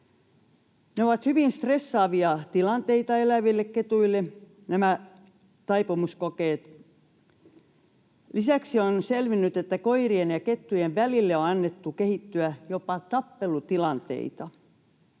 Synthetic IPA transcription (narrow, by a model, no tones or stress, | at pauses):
neoʋɑt̪hyʋinst̪resːɑːʋiɑt̪ilɑnt̪eit̪ɑelæʋilːekket̪uilːe | næmæ | t̪ɑipumuskokeːt̪ | lisæksionselʋinːyt̪et̪ːækoirienjɑket̪ːujeʋʋælilːeoɑnːet̪ːukehit̪ːyæjopɑt̪ɑpːelut̪ilɑnt̪ḛit̪ɑ